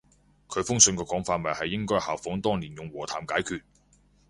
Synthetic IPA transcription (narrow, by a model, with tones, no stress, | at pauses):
kʰɵ˨˧ɥfʊ˥ŋsɵ˧nkɛː˧kɔː˨˥ŋfaː˧t̚mɐ˨jhɐ˨jːɪ˥ŋkɔː˥jhaː˨˩wfɔː˨˥ŋt̪ɔː˥ŋliː˨˩njʊ˨ŋwɔː˨˩t̪ʰaː˨˩mkaː˨˥jkʰyː˧t̚